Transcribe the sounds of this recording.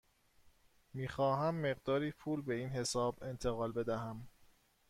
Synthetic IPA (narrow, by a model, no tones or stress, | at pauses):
miːxɒːɦæmːe̞ɣd̪ɒːɾiːpʰuːlbe̞iːnhe̞sɒːbe̞nt̪ʰeɣɒːlbe̞d̪æɦæm